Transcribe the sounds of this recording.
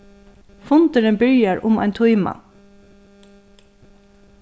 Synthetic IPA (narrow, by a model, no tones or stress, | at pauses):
fʊnd̪əɾənbʏəɹʔʊmæ̰ɪnt̪ʰʊʏmɑ̰